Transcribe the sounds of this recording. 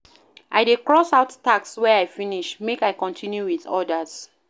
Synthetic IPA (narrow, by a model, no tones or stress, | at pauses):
ʔaɪdekɹɔsaʊttakswɛajfĩniʃmekaɪkɔ̃ntʰĩnjuwiðɔ̰dəz̥